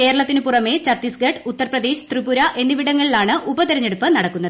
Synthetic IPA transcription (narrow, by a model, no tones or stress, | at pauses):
ke̞ːɾɐɭɐt̪ːinɨpurɐme̞t͡ɕɐt̪ːisɡɐʈːɨut̪ːɐrprɐd̪e̞ːɕt̪ribuɾɐʔe̞nːiʋiɽɐŋːɐɭilaːɳɨʔubɐt̪iɾɐɲːeɽupːɨnɐɽɐkːunːɐðɨ